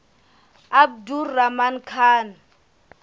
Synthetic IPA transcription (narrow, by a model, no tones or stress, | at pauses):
ab̚duramankʰaːna